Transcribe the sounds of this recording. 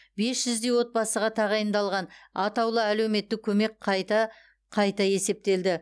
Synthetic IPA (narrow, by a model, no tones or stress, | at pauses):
be̞sʒ̥ʏzd̪e̞jwo̞t̪̚bɑsəʁɑt̪ʰɑʁɑjənd̪ɑlˠʁɑnɑt̪ɑwlˠəæle̞wme̞t̪ːɪkʲʰɵme̞kqʰɑjt̪ɑ | qʰɑjt̪ɑje̞se̞p̚t̪e̞ld̪ɪ